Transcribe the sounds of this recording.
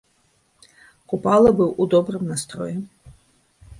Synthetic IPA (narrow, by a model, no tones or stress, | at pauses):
kupalˠɐbɨwud̪ɔbrɨmnast̪ɾɔ̰jɛ